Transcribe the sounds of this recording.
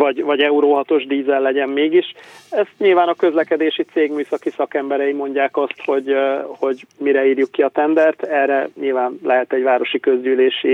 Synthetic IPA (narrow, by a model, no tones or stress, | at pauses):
vɒɟvɒɟɛuɾoːɦɒt̪o̞ʒd̪iːzɛlːɛɟɛmmeːɡiʃɛst̪ɲilvaːnɒkø̞zlɛkɛd̪eːʃit̪seːɡmyːsɒkisɒkɛmbɛɾɛimo̞ɲɟaːkɒst̪ho̞ɟho̞ɟmiɾɛiːrjukːiɒt̪ɛnd̪ɛrt̪ɛːrːɛɲilvaːnlɛɦɛt̪ɛɟvaːɾo̞ʃikø̞zɟyːleːʃi